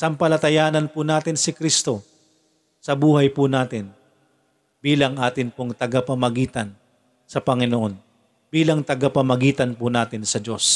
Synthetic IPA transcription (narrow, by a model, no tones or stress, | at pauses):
sɐmpɐlɐt̪ɐjaːnɐnpʊnaːt̪ɪnsɪkɾist̪o̞ | sɐbuːhɐjpʊnaːt̪ɪn | biːlɐŋʔaːt̪ɪnpoŋt̪ɐɡapɐmɐɡiːt̪ɐn | sɐpɐŋɪnoʔo̞n | b̥iːlɐŋt̪ɐɡapɐmɐɡiːt̪ɐnpʊnaːt̪ɪnsɐd͡ʒo̞s